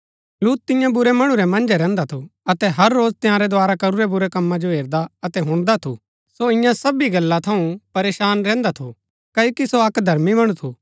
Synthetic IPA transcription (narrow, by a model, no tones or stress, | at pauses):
luːt̪̚t̪ːɪ̃jãbʊɾɛmɐɽ̃uɾɛmɐ̃nd͡ʒɛɾɛ̃ːnd̪at̪ʰoɐt̪ɛɦɐɾːoːd͡ʒt̪ɪ̃jãːɾɛd̪ʊaːɾakɐɾuɾɛbʊɾɛkɐmːãd͡ʒoɦeːɾd̪aɐt̪ɛɦʊ̃ɽ̃d̪at̪ʰṵ | soɪ̃jãsɐbiɡɐlːat̪ʰɐũpɐɾeːʃaːnɾɛ̃ːnd̪at̪ʰo | kɐokisoɐkd̪ʱɐɾmibɐɽ̃ut̪ʰuː